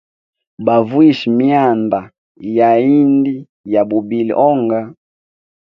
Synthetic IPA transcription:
ba˨vu˦i˦ʃi˨mi˦a˦˨mba˨ | ja˨i˦ndi˦ | ja˨bu˨bi˨lḭ˨ʔɔ˦ŋɡa˦

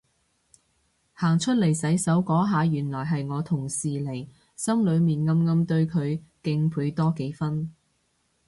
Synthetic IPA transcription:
haː˨˩ŋt͡ʃʰɵ˥t̚le˨˩jsɐ˨˥jsɐ˨˥wkɔː˨˥ɦaː˨˧jyː˨˩nlɔː˨˩jɦɐ˨jŋɔː˨˧t̪ʰʊ˨˩ŋsiː˨le˨˩j | sɐ˥mlɵ˨˧ɥmiː˨˩nŋɐ˧mŋɐ˧mt̪ɵ˧ɥkʰɵ˨˧ɥkɪ˧ŋpʰuː˨˧˥jt̪ɔː˥ke˨˥jfɐ˥n

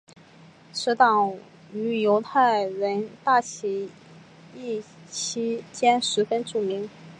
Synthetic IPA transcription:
ʂɻ̩˧˥t̪ɑ˨˩ŋ | y˧˥jo˧˥ʊt̪ʰa˥˩ɪɻə˧˥nt̪a˥˩t͡ɕʰi˧˥ | i˥˩ | t͡ɕʰi˥t͡ɕjɛ˥nʂɻ̩˧˥fə˥nʈ͡ʂu˨˩mi˧˥ŋ

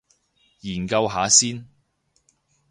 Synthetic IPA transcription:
jiː˨˩nkɐ˧wɦaː˨˥siː˥n

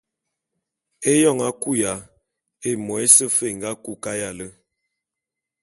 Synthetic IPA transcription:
e˦jɔ˦˨ŋa˦ku˦ja˨ | e˦mɔ˨e˦sə˦fe˦˨ŋ˨ɡa˦ku˦ka˦ja˨lə˦

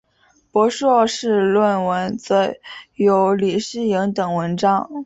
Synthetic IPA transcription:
pwɔ˧˥ʂɔ˥˧ʂɻ̩˥˧lwə˥˩nwə˧˥nt͡sɤ˧˥jo˧˥ʊli˨˩ʂɻ̩˥˩i˧˥ŋt̪ɤ˨˩ŋwə˧˥nʈ͡ʂɑ˥ŋ

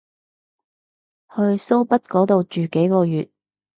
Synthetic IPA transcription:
hɵ˧ɥso˥wpɐ˥t̚kɔː˨˥t̪o˨wt͡ʃyː˨ke˨˥jkɔː˧jyː˨t̚

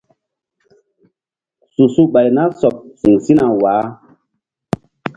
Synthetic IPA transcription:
su˨su˦ɓa˨jna˦sɔ˨p̚si˨ŋsi˦na˨waː˨˦

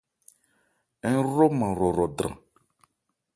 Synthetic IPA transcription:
ɛ˦ɾo˦mə̃˨ɾɔ˨ɾɔ˨dɾã̰˨

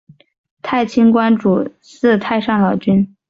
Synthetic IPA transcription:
t̪ʰa˥˩ɪt͡ɕʰi˥ŋkwa˥nʈ͡ʂu˨˩ | sɹ̩˥˧t̪ʰa˥˧ɪʂɑ˥˩ŋlɑ˨˩ʊt͡ɕy˥n

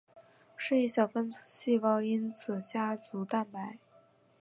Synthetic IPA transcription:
ʂə˥˧i˥˩ɕjɑ˨˩ʊfə˥nt͡s̩ʰ˨˩ɕi˥˧wɑ˥˩ŋi˥nt͡sʰɹ̩˨˩t͡ɕja˥t͡su˧˥t̪a˥˩npa˧˥ɪ

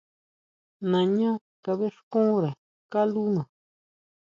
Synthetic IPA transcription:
nã˨ɲã˦ | ka˧βe˦ʂkũ˦ɾa˨ | ka˦lu˦nã˨

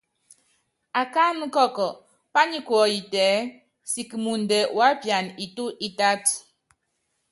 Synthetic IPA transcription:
a˨ka˦n˦kɔ˦˨kɔ˨ | pa˦ɲi˦kwɔ˨˦i˨tɛː˨˦ | si˨kmu˨n˨dɛ˨wa˨˦pja˨ni˨tu˦ʔi˦ta˦t

